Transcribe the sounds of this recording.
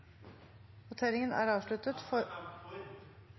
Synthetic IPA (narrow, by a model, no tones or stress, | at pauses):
ʋʊt̪ʰeːɾɪŋənæ̰ːɾɑːʋʂlʉt̪ət̪fɔ